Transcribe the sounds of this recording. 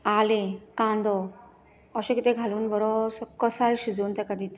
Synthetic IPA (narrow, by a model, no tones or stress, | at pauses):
alekãnd̪ɔ | ɔɕekit̪eɡʱaluːnbɔɾɔsɔkɔsalɕid͡zoːnt̪ekəd̪ʱit̪